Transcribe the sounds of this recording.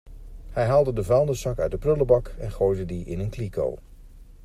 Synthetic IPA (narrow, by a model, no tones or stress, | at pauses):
hɛjɦaːlˠdədəvɛlˠndəsɑkœɥt̚dəprɵləbɑkɛnχojdədiʔɪnənkliko̰w